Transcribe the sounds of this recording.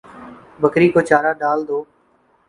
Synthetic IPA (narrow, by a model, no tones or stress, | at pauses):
bəkɾiːkoːt͡ʃaːɾaːɖaːld̪oː